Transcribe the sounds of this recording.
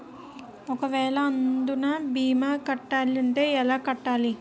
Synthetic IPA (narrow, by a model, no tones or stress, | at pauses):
ɔkɐʋɛːɭɐːnd̪unaːbiːmaːkɐʈːaːliɐɳʈe̞ːɛlaːkɐʈːaːli